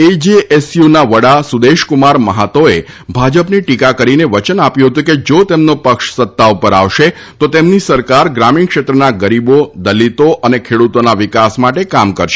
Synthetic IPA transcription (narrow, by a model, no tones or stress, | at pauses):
ed͡ʒiesjunaʋəɽasud̪eʃkumaɾməɦat̪oe | bʱad͡ʒəpniʈikakəɾineʋət͡ʃənapjũɦət̪̬ũked͡ʒot̪emnopəkʃsət̪ːaupəɾa̰ʋʃe | t̪ot̪emnisəɾkaɾɡɾaminkʃet̪ɾənaɡəɾibod̪əlit̪oʔənekʰeɽut̪onaʋɪkasmaʈekamkəɾʃe